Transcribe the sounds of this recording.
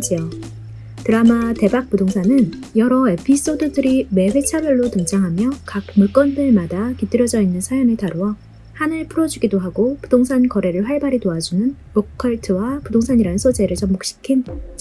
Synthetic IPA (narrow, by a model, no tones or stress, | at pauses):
d͡ʑio | tɯɾamate̞bak̚p͈udoŋsʰanɯnjʌɾʌe̞pʰis͈odɯdɯɾime̞ɸwe̞t͡ɕʰabjʌɭːotɯŋd͡ʑaŋɦamjʌkak̚mɯɭk͈ʌndɯɭmadakit͈ɯɾjʌd͡ʑʌinːɯnsʰajʌŋɯɭtaɾowʌ | hanɯɭpʰuɾʌd͡ʑuɡidoɦaɡopudoŋsʰankʌɾe̞ɾɯɭɸwaɭbaɾitoad͡ʑunɯnmokʰːʌɭtʰɯwapudoŋsʰaɲiɾanɯnsʰod͡ʑe̞ɾɯɭt͡ɕʌmːok̚ɕ͈i̥kʰin